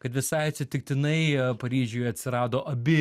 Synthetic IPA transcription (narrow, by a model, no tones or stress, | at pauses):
kɐt̪ʋʲɪsɐɪɐt̪ʲsʲɪt̪ʲɪkt̪ʲɪnɐɪpɐɾʲiːʒʲuːjɐt̪ʲsʲɪɾɑːd̪oːʔɐbʲɪ